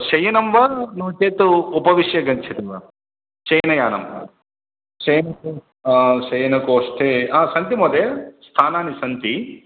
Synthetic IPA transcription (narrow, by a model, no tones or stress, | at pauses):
ʃɐjɐnɐmʋɐnuːt͡ʃeːt̪uːpɐʋiʃjɐɡɐɲt͡ʃʰit̪iʋɐ | t͡ʃɐjnɐjaːnɐ̰mʋɐ̰ | t͡ʃɐjɐnɐko | aʃɐjɐnɐkoːsʈ̪ʰeːaːsɐnt̪imoːd̪est̪ʰaːnaːnisɐnt̪i